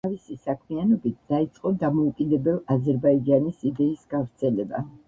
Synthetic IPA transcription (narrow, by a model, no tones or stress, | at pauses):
avisisakʰmianɔbit̪̚d̪̥ait̪sʼqʼɔd̪amɔukʼid̪ɛbɛlˠazɛɾbaid͡ʒanisid̪ɛisɡavɾt̪sʰɛlɛba̰